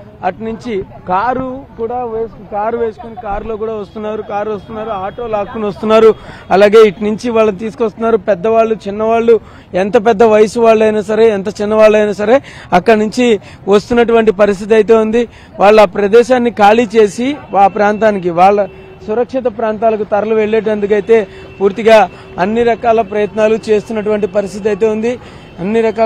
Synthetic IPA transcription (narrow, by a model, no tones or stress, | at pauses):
ɐʈɐnuɲt͡ʃikaːɾukuːɽaːʋeːs | kaːɾuʋe̞ːsu̥konikaːɾlo̞ːkuːɽaːʋɐst̪unːaːɾukaːɾuʋɐst̪unːaːɾuaːʈo̞ːlaːkːunʋɐst̪unːaːɾuɐlaːɡe̞ːiʈnuɲt͡ʃiʋaːɭːɐt̪̬iːsu̥kost̪unːaːɾupɛd̪ːɐʋaːɭːut͡ʃinːɐʋaːɭːu | ent̪ɐp̬ɛd̪ːɐʋɐjɐsuʋaːɭːɐjnaːsɐɾe̞ːent̪ɐt͡ʃinːɐʋaːɭːɐjnaːsɐɾe̞ːɐkːɐɽɐnuɲt͡ʃi | ʋɐst̪unːɐʈ̬uʋɐɳʈipɐɾist̪ʰit̪ɐjt̪̬e̞ːund̪i | ʋaːɭːaːpɾɐd̪ɛːʃaːnːikaːliːt͡ʃe̞ːsiʋaːpɾaːnt̪aːnik̬iʋaːɭːɐ | suɾɐkʂit̪ɐpɾaːnt̪aːlɐkut̪ɐɾɐluʋe̞ɭːe̞ːʈ̬eɐnd̪uk̬ɐjt̪e̞ː | puːɾt̪iɡaː | ɐnːiɾɐkaːlɐpɾɐjɐt̪naːlut͡ʃe̞ːst̪unːɐʈuʋɐɳʈipɐɾist̪ʰit̪̬iɐjt̪e̞ːund̪i | ɐnːiɾɐkaː